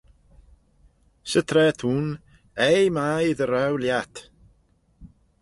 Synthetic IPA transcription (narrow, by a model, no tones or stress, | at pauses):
sət̪ʰrɛtʰuːn | ejmaiðəɾɛwljatʰ